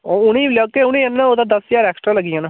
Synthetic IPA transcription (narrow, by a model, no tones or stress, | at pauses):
ʊniːlaːkeʊñĩːənːnãoːd̪aːd̪əsjaːɾɛːksʈɾaːləɡijãːnãː